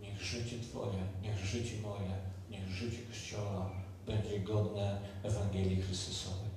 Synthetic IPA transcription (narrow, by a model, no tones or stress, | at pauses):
ɲɛɣʐɘt͡ɕɛt̪fɔ̰jɛɲɛɣʐɘt͡ɕɛmɔjɛɲɛɣʐɘt͡ɕɛkɔɕt͡ɕɔwa | bɛɲd͡ʑɛɡɔd̪nɛːvaŋɡʲɛlʲjixɾɨst̪usɔvɛj